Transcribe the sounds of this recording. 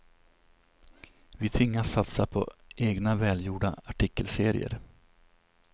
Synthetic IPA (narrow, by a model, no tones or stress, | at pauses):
vɪt̪ʰvɪŋːasːat̪sapʰɔ̰ʔeːɡnavɛːljuːɖa̰aʈʰɪkːəlseːɾɪ̰ə̰ɾ